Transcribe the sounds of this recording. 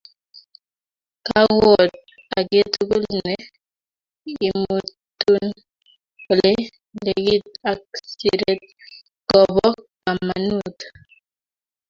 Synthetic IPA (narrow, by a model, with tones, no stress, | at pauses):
ka˦wɔ˨t̚ | a˨ɡe˦t̪ɡu˦lne˨ | i˨mu˨tu˦n | o˨le˦ | le˨ɡi˦ta˨ksi˦˨ɾe˦t̚ | ɡ̥ɔ˨bɔ˦ka˨ma̰˨nu˦˨t̪